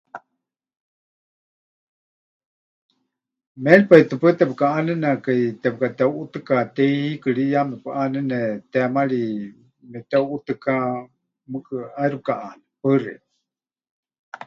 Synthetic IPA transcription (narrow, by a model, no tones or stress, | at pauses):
mɛlpait̪ɨpɨt̪ɛpɨkaʔanɨnakait̪ɛp̚kat̪ɛuʔut̪ɨkat̪ejhikɨɺijamɛpɨʔanɨnɛt̪ɛamaɺi | mɛt̪ɛuʔut̪ɨka | mɨkʼɨajɾup̚kaʔanɛpɨrḭ